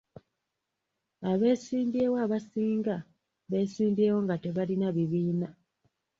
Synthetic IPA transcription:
aβe̞ːsiːmdiewaːβasiːŋɡa | βe̞ːsiːmdie̞ːwo̞ŋɡate̞βalinaβiβiːna

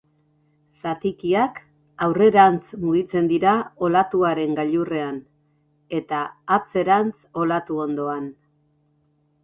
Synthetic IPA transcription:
sat̪ikiak | awre̞ɾant͡smuɣit͡se̞nd̪iɾao̞lat̪uaɾe̞ŋɡaʎure̞an | e̞t̪aːt͡se̞ɾant͡so̞lat̪uo̞nd̪o̞an

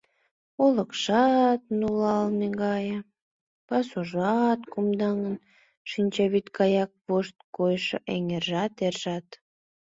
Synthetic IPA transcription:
uləkʃɑt̪̚nulɑlneɡɑjə | pɑsuʒɑt̪kumd̪ɑŋən | ʃinʲt͡ɕɑβit̪kɑjɑk̚βoʃt̪̚kojʃɤ̰ʔeŋerʒɑt̪erʒ̥ɑt̪

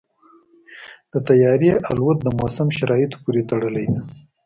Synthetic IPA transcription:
d̪̥ət̪ajɑɾjeʔalwat̪̚d̪əmosamʃaɾɑjɪt̪o̥puɾet̪aɽəlaj̪

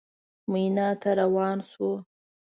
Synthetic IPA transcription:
munɑt̪aɾawɑnswo

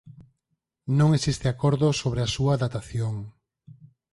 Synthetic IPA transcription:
nõŋesist̪eakoɾðosoβɾeasuɐðat̪aθjoŋ

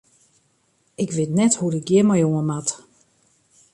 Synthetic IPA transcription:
ɪkʋɪtnɛthuɾɪk̚ɡjɪmajoənmat

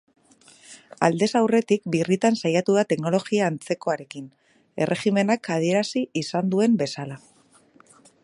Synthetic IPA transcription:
a̰ld̪e̞sawre̞t̪ikbirit̪ansajat̪uðat̪e̞kno̞lo̞ɣiaːnt͡se̞ko̞aɾe̞kin | e̞rʔe̞xime̞nakað̞ie̞ɾasiːsand̪ue̞mbe̞sala

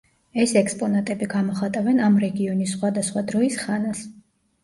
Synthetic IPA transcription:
ɛsɛkspʼɔnat̪ʼɛbiɡamɔχat̪ʼavɛnamɾɛɡiɔnisːχwad̪asχwad̪ɾɔisχanas

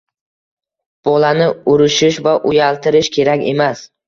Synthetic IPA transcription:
b̥ɒlanɪʊɾɪʃɪʃvaʔʊjalˠt̪ʰɪɾɪʃkʲʰe̞ɾakʲe̞̰mas

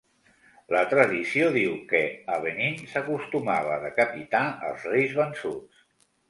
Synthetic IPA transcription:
lət̪ɾəðisioðiwkəəβ̞əninsəkust̪umaβ̞əðəkəpit̪aə̰lˠzrejzβənsus

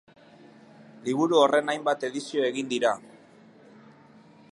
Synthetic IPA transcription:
liβ̞uɾuo̞re̞najmbat̪e̞ðisio̞e̞ɣind̪iɾa

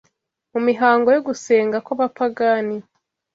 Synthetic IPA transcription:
mumiɦaːŋɡo̞joɡuse̞ːŋɡakaβapaɡani

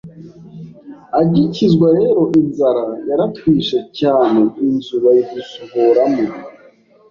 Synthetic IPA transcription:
aɟicizɡwaɾe̞ɾo̞ʔinzaɾajaɾatwiːʃe̞caːne̞inzuβaiɡusuβoɾamu

